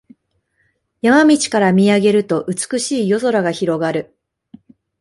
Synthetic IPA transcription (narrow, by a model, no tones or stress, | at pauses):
jamamʲit͡ɕi̥kaɾamʲiaɡe̞ɾɯ̟t̪o̞ʔɯ̟t͡sɨ̥kɯ̟ɕiːjo̞zo̞ɾaɡaçiɾo̞ɡaɾɯ̟